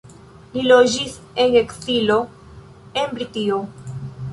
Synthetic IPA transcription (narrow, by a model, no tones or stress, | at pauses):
lilo̞d͡ʒis | e̞ŋe̞ksilo̞ | e̞nbɾitio